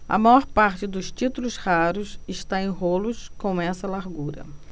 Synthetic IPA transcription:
ɐ̰majɔɾpaɾt͡ʃɪd̪ʊst͡ʃit̪ulʊshaɾʊsɪʃt̪aẽj̃ɦolʊskõw̃ɛsɐlaɾɡuɾɐ̰

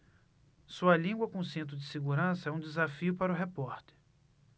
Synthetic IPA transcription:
suɐlĩɡwɐkõʊsẽnt̪ɾʊd͡ʒɪseɡuɾɐ̃sɐɛũd͡ʒ̪ɪzafiʊpaɾʊɦepɔɾt̪e̥ɾ

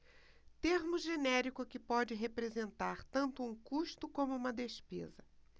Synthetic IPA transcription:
t̪eɾmʊʒenɛɾikʊkɪpɔd͡ʒɪɦepɾezẽnt̪aɾt̪ɐ̃nt̪ʊũkuʃt̪ʊkõmʊũmɐd̪espḛzɐ

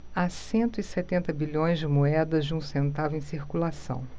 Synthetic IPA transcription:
asẽnt̪ʊiset̪ẽnt̪ɐbiʎõj̃zd͡ʒɪmoɛd̪ɐzd͡ʒɪũsẽnt̪avʊẽj̃siɾkulasɐ̰̃w̃

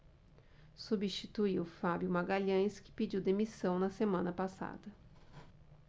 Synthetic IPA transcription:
subist͡ʃit̪uiwfabjʊmaɡaʎɐ̃jskɪ̥pid͡ʒiwd̪emisɐ̃w̃nɐsemɐ̃nɐpasa̰d̪ɐ

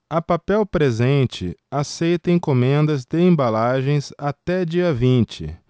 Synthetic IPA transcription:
ɐpapɛwpɾezẽnt͡ʃɪ̰asejt̪ẽj̃kõmẽnd̪ɐzd̪eẽmbalaʒẽj̃zat̪ɛd͡ʒiɐvĩnt͡ʃɪ̰

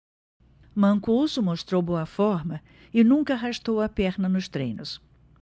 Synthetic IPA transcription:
mɐ̃ŋkusʊmoʃt̪ɾowboɐfɔɾmɐ | ɪnũŋkɐaɦaʃt̪owɐpɛɾnɐnʊst̪ɾḛ̃jnʊs

